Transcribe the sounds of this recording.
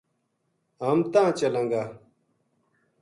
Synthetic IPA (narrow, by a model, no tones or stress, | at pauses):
ɐmt̪ãːt͡ɕɐlɐ̃ŋɡa